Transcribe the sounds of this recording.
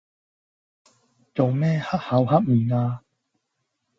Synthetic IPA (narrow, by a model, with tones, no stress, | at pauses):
t͡so˨wmɛː˦˥˨ha˦˥k̚ha˨˧˥wha˦˥p̚m̩ː˨˩ŋaː˧